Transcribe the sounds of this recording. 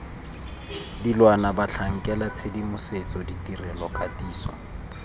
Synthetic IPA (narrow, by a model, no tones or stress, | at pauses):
dilwanabaɬʰaŋ̩kʼɛlat͡sʰedimʊset͡sʼɔditʼirɛlɔkʼatʼiːsɔ̰